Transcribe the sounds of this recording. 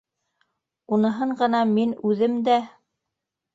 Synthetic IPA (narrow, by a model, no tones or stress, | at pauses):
unɤ̆ɦɤɴɢɤ̆nɑminʉðɘmd̪æ